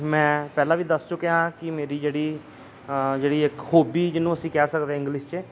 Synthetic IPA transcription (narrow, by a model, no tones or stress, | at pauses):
mɛ̃ːpɛːlãːʋiːd̪əst͡ʃʊkeãːkɪmeːɾiːd͡ʒeːɽiː | d͡ʒeːɽiːɪkhoːbiːd͡ʒɪnũːəsĩːkɛːsəkd̪eːɪ̃ŋɡlɪʃt͡ʃe